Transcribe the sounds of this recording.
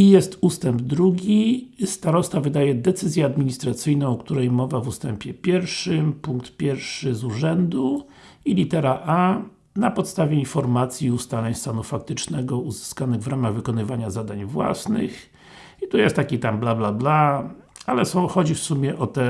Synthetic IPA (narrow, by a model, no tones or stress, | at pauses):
ijɛst̪ust̪ɛmbd̪ɾuɡʲist̪aɾɔst̪avɘd̪ajɛd̪ɛt̪sɘzʲjɛad̪mʲiɲist̪ɾat̪sɘjnɔ̃w̃ɔkt̪uɾɛjmɔvavust̪ɛmpʲjɛpʲjɛɾfʂɘmpuŋk̚t̪pʲjɛɾfʂɘzuʐɛnd̪u | ilʲit̪ɛɾaʔa | napɔt̪st̪avʲjɛinfɔɾmat̪sʲjiust̪alɛɲst̪anufak̚t̪ɘt͡ʂnɛɡɔuzɘ̥skanɘɣvɾamaɣvɘkɔnɘvaɲazad̪aɲvwa̰snɘ̰x | it̪ujɛst̪ːakʲit̪amblablabla | alɛsɔ̃w̃xɔd͡ʑifsumʲjɛʔɔt̪ɛ